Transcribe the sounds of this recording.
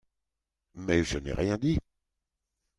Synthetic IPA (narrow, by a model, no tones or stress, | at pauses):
mɛʒənɛ̰ʁjɛ̃d̪i